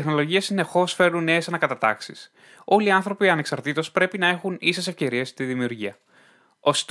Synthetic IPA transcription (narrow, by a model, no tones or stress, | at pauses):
t̪exno̞lo̞ʝiɐsine̞xo̞sfe̞ɾnunːe̞esɐnɐkɐt̪ɐt̪ɐ̰ksis | o̞liɐnθɾo̞piɐne̞ksɐɾt̪it̪o̞spɾe̞pinɐe̞xunisesefce̞ɾie̞st̪iðimiuɾʝiɐ | o̞st̪